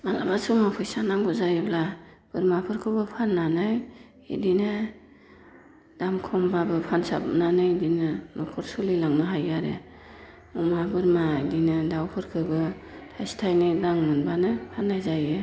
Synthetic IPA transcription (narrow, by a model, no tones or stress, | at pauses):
malabasɔmapʰɯjsanaŋɡɔzajɯbla | b̥ɯɾmapʰɯɾkʰɯbɯpʰanːanɯj | ḭdinɯ | d̥amkʰɔmbabɯpʰansa̰bnanɯjdinɯmɔkʰɔɾsulilaŋnɯɦajaɾḛ | ɔmabɯɾmaidinɯdawpʰɯɾkʰɯbɯtʰajstʰajnɯlaŋmɯnbanɯpʰanːajzajɯ